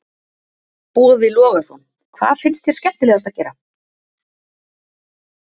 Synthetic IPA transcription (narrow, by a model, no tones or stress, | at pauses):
puːðvɪlɔːɣḁsun | kʰva̰ːðfɪnst̪θçjɛɾ̥scɛp̪t̪ɪlɛːɣast̪aðcɛːɾa